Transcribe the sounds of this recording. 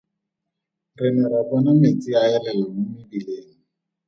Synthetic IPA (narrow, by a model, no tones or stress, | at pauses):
rɪnɛɾabɔnamet͡sʼɪaɛlɛlamʊmɪbileːŋi